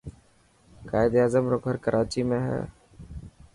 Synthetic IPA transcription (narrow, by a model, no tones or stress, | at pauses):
kaːɪd̪aːzəmɾoːkɦəɾkəɾʔaːt͡ʃimẽɦɛ̰ː